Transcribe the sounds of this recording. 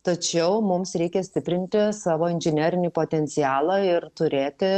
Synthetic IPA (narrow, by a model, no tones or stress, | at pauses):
t̪ɐt͡ʃʲɛʊmʊmsɾʲɛɪkʲɛsʲt̪ʲɪpʲɾʲɪnʲt̪ʲɪsɑːʋoːɪnʲʒʲɪnʲæːɾʲɪnʲiːpoːt̪ʲɛnʲt̪sʲɪjæːlˠɑːɪrt̪ʊɾʲeːt̪ʲɪ